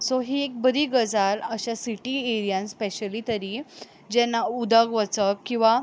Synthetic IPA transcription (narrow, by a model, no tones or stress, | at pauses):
sɔɦiek̚bəd̪ʱiːɡəd͡zaɾəɕjasiʈieɾijãnspeɕəliːt̪əɾi | d͡ʑɛnːaud̪aɡʋət͡səpkĩw̃ʋa